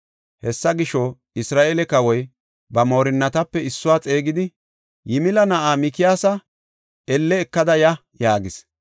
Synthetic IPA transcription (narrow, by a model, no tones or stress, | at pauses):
hɛsːɐɡɪʃɔ | ɪsɾaːʔelɛkɐwɔj | bɐmoːɾɪnːɐt̪ɐpːɛɪsːʊwaːt͡sʼe̞ːɡɪd̪ɪ | jɪmɪlɐnɐʔaːmɪkɪjaːsɐ | ɛlːɛːkːɐd̪ɐjɐ | jaːɡɪs